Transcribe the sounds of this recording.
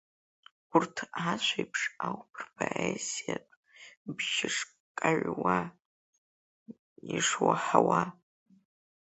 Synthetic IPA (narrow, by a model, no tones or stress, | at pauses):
ʊrtʰat͡ʃʷʰajpʰʂawpʰɨrpʰaesijatʷʼ | bʒɪʂ | kʼaʕʷwa | iʂwaħawa